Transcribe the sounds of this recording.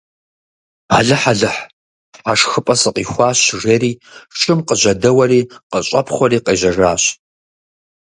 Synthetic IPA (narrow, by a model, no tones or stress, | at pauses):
aɮɨħaɮɨħ | aːʂxɨpʼɐsɨqiːxʷɑːɕʐeːɾiːʂʼɨmqəʑɐdɐwɐriːqəɕʼɐpʰχʷɔɾiːqeːʑɐʐaːɕ